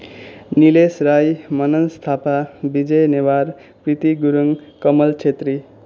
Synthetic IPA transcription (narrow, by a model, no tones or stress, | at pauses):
nilesɾajmʌnʌnst̪ʰapabid͡zʌjnewaɾ | prit̪iɡuɾuŋkʌmʌlt͡ʃʰet̪ri